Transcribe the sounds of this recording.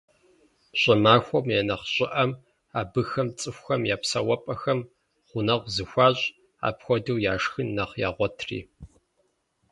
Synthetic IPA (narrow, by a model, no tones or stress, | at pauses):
ɕʼɐmaːxʷɔmjenɐχɕʼɪʔɐm | aːbɨxɐmt͡sʼɨxʷxɐmjaːpsɐwɐpʼɐxɐm | χʷʊnɐʁʷzɨxʷaːɕʼ | a̰ːpxʷɔdɨwjaːʂxɨnːɐχja̰ːʁʷɔtʰrḭː